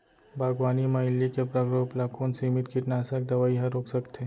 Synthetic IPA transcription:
bʱaːɡʋaːnimɐɦɪlːikepɾɐɡɾoːplaːkʰuːnsimɪt̪kiʈnaːsək̚d̪ɐʋaːiɦɐɾoːksɐkt̪ʰeː

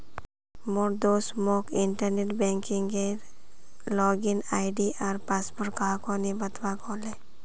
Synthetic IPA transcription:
moɾd̪oːsmokɪɳʈəɾneʈbɛ̃ːŋkɪŋɡeɾ | lɔːɡɪnaːɪɖiʔɔɾpaːspoɾkaːkonibət̪ʋakɔːle

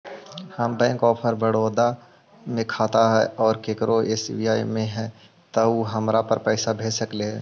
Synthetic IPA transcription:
hɐmbɛ̃ːkɔːpʰəɾbəɽoːd̪a | mẽkʰaːt̪aɦɛɔːɾkekɾoesbiːaːimẽɦɛ̃ː | t̪ɐuɦɐmɾapɐɾpɛːsabʱeːd͡ʒsəkleɦɛ̰̃ː

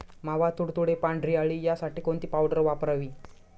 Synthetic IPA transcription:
m̤aʋat̪uɽt̪uɽepaɳɖɾiaɭiːjasaʈiːkont̪iːpawɽəɾʋapɾaʋiː

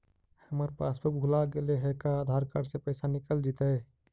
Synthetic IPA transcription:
həməɾpasbəɡʱulaɡeleɦekaːd̪ʱaɾkaɽsẽpəɪsanikəld͡ʒit̪ə

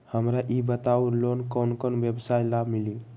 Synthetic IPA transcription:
həmɾaʔibət̪aulonkɔwnkənbjəbsajlabʱmili

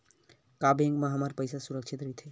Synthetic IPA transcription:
kabẽŋɡmaɦamaɾpəjsasuɾəkʃʰit̪ɾət̪ʰɦe

